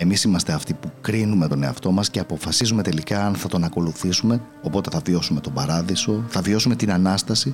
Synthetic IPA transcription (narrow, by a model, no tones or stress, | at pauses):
emisimɐst̪e̞ɐft̪ipukɾinume̞t̪o̞neɐ̰ft̪o̞mɐsce̞ɐpo̞fɐsizume̞t̪e̞likɐːnθɐt̪o̞nɐko̞luθisume̞ | o̞po̞t̪e̞θɐvio̞sume̞t̪o̞bɐɾɐðiso̞θɐvio̞sume̞t̪inɐnɐst̪ɐsi